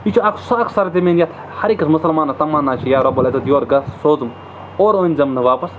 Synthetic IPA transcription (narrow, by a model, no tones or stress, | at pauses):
it͡ʃʰuɐkʰsɐɐksɐɾɐt̪̬ʲemeːnjat̪ʰ | hɐɾikɐsmʊsɐlmaːnɐt̪ɐmaːnaːt͡ʃʰijaːɾɐbɐlɐzɐt̪joːɾɡɐssoːzɨm | oːɾoːnʲzɐmnɨʋaːpɐs